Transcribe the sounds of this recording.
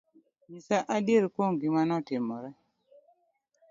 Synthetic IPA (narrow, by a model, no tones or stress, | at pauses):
ɲisaʔadeɾkoŋɡimanɔtɪmɔɾɛ